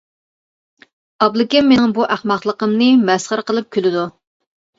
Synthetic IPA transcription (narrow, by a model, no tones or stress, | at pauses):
ɑblˠɨkʲɪmːenɪŋbuʔæχmɑχlˠəqəmnɨmɛsχəɾqəlˠɨp̚kʲʰylɪd̪u